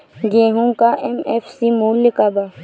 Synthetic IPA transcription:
ɡeɦũkaʔɛmɛfsimolːɪkaba

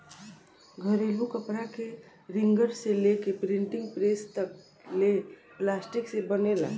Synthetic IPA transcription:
ɡʱəɾelukəpɾake | ɾɪŋɡəɾselekepɾɪɳʈɪ̃ŋɡpɾest̪ək | leplasʈiksebənela̰

